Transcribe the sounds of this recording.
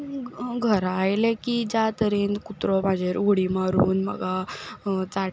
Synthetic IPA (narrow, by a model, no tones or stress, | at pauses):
ɡʱəɾajlekid͡ʑat̪əɾiːnkut̪ɾɔmad͡ʑʱeɾoɽimaɾuːnmə̰ɡa | t͡sa